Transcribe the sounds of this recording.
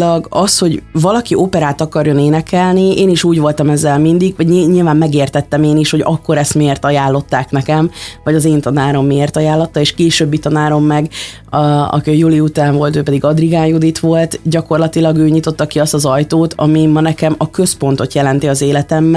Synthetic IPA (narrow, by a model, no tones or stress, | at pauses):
lɒɡɒsho̞ɟvɒlɒkioːpɛɾaːt̪ɒkɒrjo̞neːnɛkɛlnieːniʃuːɟʋo̞lt̪ɒmɛzːɛlmind̪iɡʋɒɟiɲiːlvaːmːɛɡeːrt̪ɛt̪ːɛmeːniʃho̞ɟɒkːo̞ɾɛst̪mieːrt̪ɒjaːlːo̞t̪ːaːknɛkɛmvɒɟɒzeːnt̪ɒnaːɾo̞mːieːrt̪ɒjaːlːɒt̪ːɒeːʃkeːʃøːbːit̪ɒnaːɾo̞mːɛɡ | ɒ̰kiɒjuliut̪aːɱvo̞lt̪øːpɛd̪iɡɒd̪riɡaːjud̪it̪ʋo̞lt̪ɟɒko̞rlɒt̪ilɒɡøːɲit̪o̞t̪ːɒkiɒst̪ɒzɒjt̪oːt̪ʰɒ̰mimɒnɛkɛmɒkø̞spo̞nt̪o̞t̪jɛlɛn̪t̪iɒzeːlɛt̪ɛmːɛ